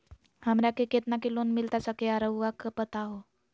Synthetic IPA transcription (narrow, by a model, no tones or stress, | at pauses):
hamɾjakeket̪nakilonmilt̪at͡sakeaɾəwɡakəpət̪aɦo